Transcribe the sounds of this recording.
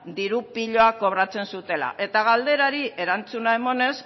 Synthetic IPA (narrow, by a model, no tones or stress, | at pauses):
d̪iɾupiʎo̞ako̞β̞ɾat͡se̞nsut̪e̞la̰ʔe̞t̪aɣ̞ald̪e̞ɾaɾie̞ɾant͡sunae̞mo̞ne̞s